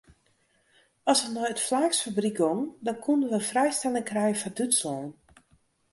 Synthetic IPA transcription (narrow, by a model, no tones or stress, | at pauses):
ɔsənɔjətflaːxsfabrikoŋdɔnkʰundənʋəəfrɛjstɛlɪŋkrɛjəfɔdytsoːn